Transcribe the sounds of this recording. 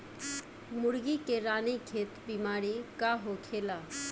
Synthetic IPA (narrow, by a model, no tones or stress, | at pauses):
mʊɽɡikeɾaːnikʰeːt̪biːmaːɾikaɦokʰeːlaː